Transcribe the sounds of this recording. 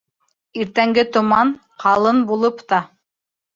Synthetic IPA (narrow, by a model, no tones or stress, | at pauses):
iɾt̪æŋɡɘt̪ŏmɑn | qʰɑlˠɤnbulˠɤpt̪ɑ